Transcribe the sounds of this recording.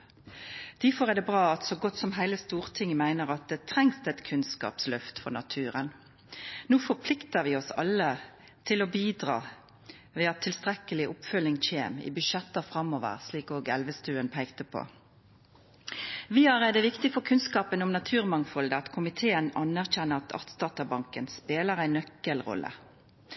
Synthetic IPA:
d̪̥æfɔɾæd̪ɛbʁɑːɑt̪sɔɡɔt̪ːsɔmɦæɪləst̪uːʁt̪ʰɪŋːmæɪnəʁɑt̪̚d̪ɛt̪ʰɾɛŋsd̪ɛt̪kʰʉnskɑ̰ːpslœft̪fɔʁnɑ̰t̪ʰʉːɾən | nuːfɔʁpʰlɪkt̪əɾʋɪɔsɑ̰lːə | t̪ʰɪlɔbiːd̪ʁɑ̰ː | ʋɛːɑt̪ʰːɪlst̪ʁɛkəlɪʔʊpfœlːɪŋc͡çeːmɪ̰bʏʃɛt̪ːəfʁɑmːoːʋə̰ʁsliːkoːɡɛlʋəst̪ʉːənpʰæɪkt̪əpʰo̰ː | ʋɪɑlʁæɪd̪ɛʋɪkt̪ɪfɔɾkʰʉnskɑːpənʊmnɑt̪ʰʉːʁmɑŋfɔld̪əɑt̪kʰʊmɪt̪ʰeːənɑnæʁçɛnːəɑt̪ʰɑ̰ʁt̪sd̪ɑːt̪əbɑŋkənspeːləʁæɪnœkːəlʁɔ̰lːʔə̰

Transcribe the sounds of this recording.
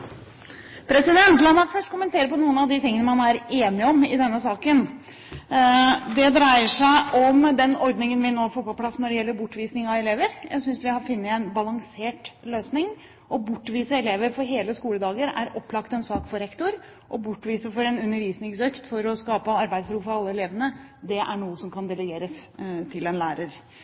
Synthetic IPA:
pʰɾɛsɪd̪ɛnt̪lɑnːɑkfœʂʈkʊmənt̪ʰeːɾəpɔnuːənɑʋd̪ɪt̪ɪŋːənəmɑnæɾeːnɪɔmɪd̪ɛnːəsɑːkən | d̪ɛd̪ɾæɪəʂæɪʔɔmd̪ɛnɔɾd̪nɪŋənʋɪnoːfoːpɔpʰlɑsːnɔɖɛjɛlːəɾbʊʈːʋiːsnɪŋɑʋɛleːʋəɾjæ̰ɪsʏnsʋɪhɑɾfɪnːəɛnbɑlɑŋseːʈløːsnɪŋ | ʔɔbʊʈːʋiːsəɛleːʋəɾfɔɾɦeːləskuːləd̪ɑːɡəɾæ̰ɾɔpːlɑkt̪ɛnsɑːkfɔɾɛkt̪ʊɾ | ʔɔbʊʈːʋiːsəfɔɾɛnʉnːəɾʋiːsnɪŋsøːkt̪fɔɾɔskɑːpəɑɾbæɪd̪sɾuːfɔɾɑlːəɛleːʋənəd̪ɛʔæɳuːəsɔmkʰɑnd̪ɛlɛɡeːɾəst̪ʰɪlɛnlæːɾəɾ

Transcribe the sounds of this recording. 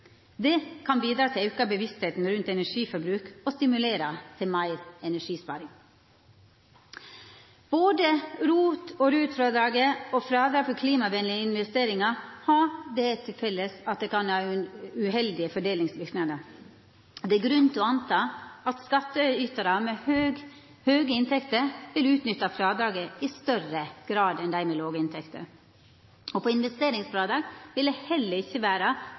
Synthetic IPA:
d̪ɛkʰɑnbiːd̪ɾɑːt̪ʰɪʉkɑbəʋɪst̪heːt̪n̩ɾʉnt̪ɛnæʂiːfɔɾbɾʉːkɔst̪ɪmʉleːɾɑt̪ʰɪlmæɪɾɛnæʂiːspɑ̰ːɾɪŋ | b̥oːd̪əɾuːt̪ɔɾʉːt̪fɾɑːd̪ɾɑːɡəɔfɾɑːd̪ɾɑːfɔkʰliːmɑʋɛnlɪəɪnʋɛst̪eːɾɪŋɑhɑɖɛt̪ʰːɪlfɛlːəsɑt̪̚d̪ɛkɑnhɑːʉɦɛld̪ɪəfɔɖeːlɪŋsʋɪɾknɑd̪ə | d̪ɛæɡɾʉnt̪ɔɑnt̪ʰɑːɑt̪skɑt̪ːəyːt̪əɾɑmɛhøːɡ | høːɡəɪnt̪ʰɛkt̪əɾʋɪlʉːt̪nʏt̪ːɑfɾɑːd̪ɾɑːɡəɪst̪œrəɡ̥ɾɑːd̪ɛnd̪æɪmɛloːɡəɪnt̪ʰɛkt̪ʰə̰ | ɔpɔɪnʋɛst̪eːɾɪŋsfɾɑːd̪ɑːɡʋɪld̪ɛhɛlːəɾɪçːəʋæːɾə

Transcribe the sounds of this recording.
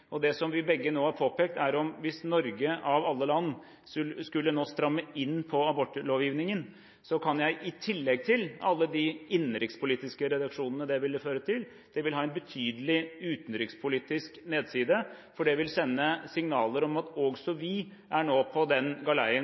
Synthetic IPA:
ʔɔd̪ɛsɔmʋɪbɛɡːənoːhɑɾpʰoːpeːk̚t̪æɾɔmʋɪsnɔɾɡəʔɑʋɑlːəlɑnː | skʉlːənoːst̪ɾɑmːəɪnːpʰɔɑbɔʈːloːʋjiːʋnɪŋən | sɔkʰɑnjæɪʔɪt̪ʰɪlːɛɡ̚t̪ʰɪlɑ̰lːəd̪iɪnɾɪktspʰʊliːt̪ɪskəɾɛd̪ɑkʂuːnənəd̪ɛʋɪlːəføːɾət̪ʰɪl | d̪̥ɛʋɪlɦɑːɛnbət̪ʰyːd̪əlɪʉːt̪ən̩ɾɪk̪spʰʊliːt̪ɪskneːd̪siːd̪ə | fɔɖɛʋɪlsɛnːəsɪŋnɑːləɾɔmɑt̪oɡsɔʋɪ | ʔæɳoːpʰɔd̪ɛnɡɑlæɪə

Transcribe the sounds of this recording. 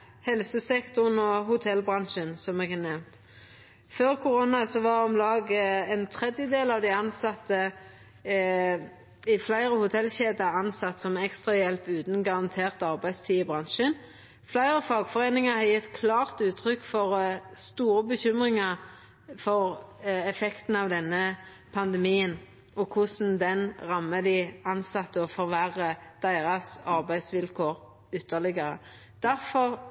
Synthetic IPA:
hɛlsəsɛkt̪ʊʁnɔhʊt̪ʰɛlbʁɑnʃənsɔmɛɡɑnɛmt̪ | føːʁkʰʊʁonɑsɔʋɑʁɔmlɑːɡɛnt̪ʰʁɛd̪jəd̪eːlɑʋd̪ɪɑnsɑt̪ːə | ɪflæɪʁəhʊt̪ʰɛlɕeːd̪ɑɑnsɑt̪ːsɔmɛkst̪ʁɑjɛlpʉːt̪n̩ɡɑʁɑnt̪ʰeːʁt̪ɑʁbæɪst̪ʰiːəbʁɑnʃən | flæɪʁəfɑːɡfɔʁeːnɪŋɑhɑʁjɪt̪kʰlɑːʁt̪ʉːt̪ʰʁʏkːfɔʁst̪uːɾəbəçʏmʁɪŋɑʁ | fɔʁɛfɛkt̪n̩ɑʋd̪ɛnːə | pʰɑnd̪ɛmiːən | ɔkʰʊsn̩d̪ɛnʁɑmːəd̪ɪɑnsɑt̪ːəɔfɔʁʋæʁəd̪̥æɪʁɑsɑʁbæɪsʋɪlkʰoːʁ | ʏt̪ːəlɪɡəʁə | d̪̥æʁfɔʁ

